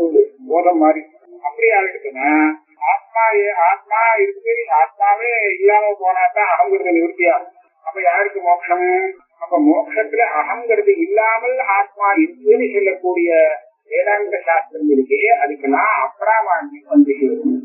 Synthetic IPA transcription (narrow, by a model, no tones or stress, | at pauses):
ɯboːðɐmːaːd̪ɾi | ɐpːɐɽiaːʋɪʈːɯkːɯnːa | aːt̪̚maːaːt̪̚maːɪɾɯk̪ːɯniʃaːt̪̚maːʋeɪlːaːmɐpoːnaːt̪ãːɐɣɐmɡɐɾɯðɯnɪʋɯɾɯt̪ːɪjaː | ɐpːoːjaːɾɾɯkːɯmoːkʂɐm | ɐpːoːmoːkʂɐt̪ːɪlɐʔɐɦɐmɡɐɾɯðɯɪlːaːmɐlaːt̪̚maːɪɾɯk̪ːɯnisɔlːɐkːuːɽɪjɐ | eːðaːŋlːɐʃaːst̪ɾɐmɪɾɯkːɯɐðɯkːɐlːãːɐpːɐɽaːmaːɳɡiɐnd̪ɯsɛɯ